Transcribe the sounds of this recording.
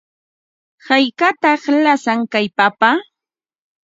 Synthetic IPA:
hajkat̪ɑχlasaŋkajpapa

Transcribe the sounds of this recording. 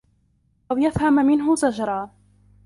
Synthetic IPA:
ʔawjafhammɪnɦʊzad͡ʒɾˤɑː

